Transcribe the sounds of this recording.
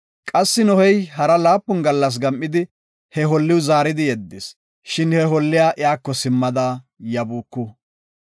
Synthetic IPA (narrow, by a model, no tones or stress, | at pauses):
kʼɐsːɪnɔhɛjhɐɾɐlaːpːɔnɡɐlːɐs̬ɡɐmʔːɪd̪ɪ | hɛɦɔlːɪwʊzaːɾɪd̪ɪjɛd̪ːɪs | ʃɪnhɛɦɔlːɪjaːʔɪjaːkːɔsɪmːɐd̪aː | jɐbuːkːʊ